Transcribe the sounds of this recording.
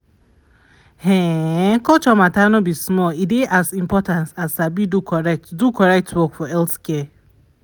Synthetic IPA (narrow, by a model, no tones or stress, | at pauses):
hẽkɔt͡ʃɔmatanʊbismɔidɪʔazimpɔtãnsasabidukʰɔɾɛk̚tdukɔɾɛk̚twɔkfɔɛltkɛ